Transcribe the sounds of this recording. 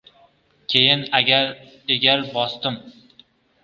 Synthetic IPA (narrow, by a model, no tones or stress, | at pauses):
kʲʰejɪnaɡʲaɾ | eɡʲaɾbɒst̪ɪm